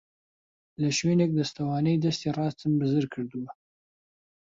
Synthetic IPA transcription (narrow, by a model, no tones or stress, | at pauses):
ləʃwenek̚d̪ast̪awɑːnəjd̪ast̪erɑst̪əmbəzəɾkʰəɾd̪uwa